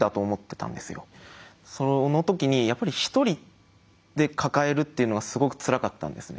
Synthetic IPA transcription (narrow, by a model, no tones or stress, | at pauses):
d̪at̪o̞ːmo̞t̪ːe̞t̪ã̰nd̪e̞sɨjo̞̰ | so̞no̞t̪o̞kʲiɲ̟ijapːaɾʲiçi̥t̪o̞ɾʲi | d̪̥e̞kʰakae̞ɾɯ̟t̪ːe̞iɯ̟noɡasɨɡo̞kɯ̟̥t͡sɨɾakat̪ːã̰nd̪e̞̰sɨne̞̰